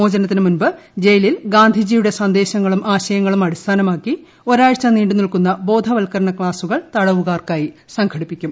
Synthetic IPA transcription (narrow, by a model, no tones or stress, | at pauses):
oːd͡ʑɐnɐt̪ːinɨmunbɨd͡ʑe̞jɐlilɡaːnd̪ʱid͡ʑijuɽe̞sɐnd̪e̞ːɕɐŋːɐɭumʔaːɕɐjɐŋːɐɭumɐɽist̪ʰaːnɐmaːkːi | o̞ɾaːjɐt͡ɕːɐniːɳɖunilkunːɐbo̞ːd̪ʱɐʋɐlkɐɾɐɳɐkɭaːsuɣɐɭt̪ɐɽɐʋuɣaːrkaːjisɐŋkʰɐɽipːikʲːum